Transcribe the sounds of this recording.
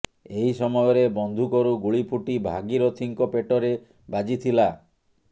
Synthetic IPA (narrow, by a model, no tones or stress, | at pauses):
eɦisɔmɔjɔɾebɔnd̪ʱukɔɾuɡuɭipʰuʈibʱa̰ɡiɾot̪ʰiŋkɔpeʈɔɾe | bad͡ʒit̪ʰila